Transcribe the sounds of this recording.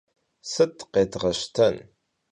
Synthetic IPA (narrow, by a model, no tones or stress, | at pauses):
sət̪ːqet̪ʁəʃt̪ʰən